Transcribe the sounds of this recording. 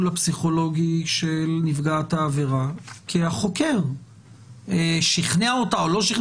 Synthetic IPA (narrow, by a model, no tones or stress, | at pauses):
lapsiχo̞lo̞ɡiʃelnifɡaːt̪haːveʁakʰeaχo̞keʁ | eʃiχneaotaolo̞ʃiχn